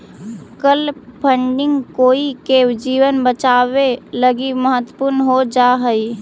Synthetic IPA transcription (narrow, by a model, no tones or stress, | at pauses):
kəlpʰəɳɖɪ̃ŋɡkoːikewd͡ʒiːwənbət͡ʃaːweləɡiməɦət̪ːəpʊɾnɦod͡ʒaɦəi